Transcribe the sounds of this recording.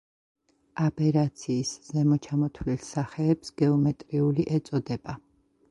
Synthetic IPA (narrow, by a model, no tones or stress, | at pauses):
apʼɛɾat̪sʰiːsz̥ɛmɔt͡ʃʰamɔt̪ʰwlilsaχɛːpsɡ̥ɛɔmɛt̪ʼɾiuliʔɛt̪sʼɔd̪ɛba